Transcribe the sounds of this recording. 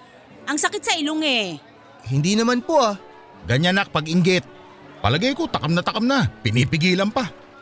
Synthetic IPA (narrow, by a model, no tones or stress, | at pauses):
ʔɐŋsɐkɪt̪sɐʔɪloŋɛ | hɪnd̪inɐmanpoʔa | ɡɐɲanak̚pɐɡɪŋɡɪt̪̚ | pɐ̰lɐɡajko̞t̪ɐkamnɐt̪ɐkamnapɪnipɪɡiːlɐnpa